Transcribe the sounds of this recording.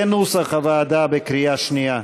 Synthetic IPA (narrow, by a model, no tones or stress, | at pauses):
enuːsɐχɐvaːd̪aːbekɾijaʃnija